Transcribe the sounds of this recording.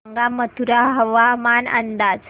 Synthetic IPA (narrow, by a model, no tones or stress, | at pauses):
ŋɡamət̪ʰuɾaɦəʋamanə̰nd̪ad͡z